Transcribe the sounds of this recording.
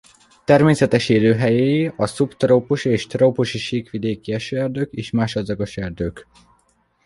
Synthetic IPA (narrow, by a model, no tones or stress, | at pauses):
t̪ɛrmeːsɛt̪ɛʃeːløːɦɛjeːjiɒsupt̪roːpuʃeːʃt̪roːpuʃiʃiːkʋid̪eːkiɛʃøːɛrd̪øːkeːʃmaːʃɒd̪zɒɡoʃɛrd̪øːk